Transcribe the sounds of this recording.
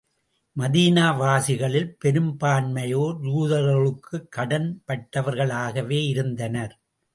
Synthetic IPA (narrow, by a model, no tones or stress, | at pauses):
mɐðiːnaːʋaːsɪɣɐɭɪlpɛɾɯmbaːnmɐjoːjuːðɐɾɣɐɭɯkʰːɯkːɐɽɐnpɐʈːɐʋɐɾɣɐɭaːɣɐʋeːɪɾɯnd̪ɐnɐɾ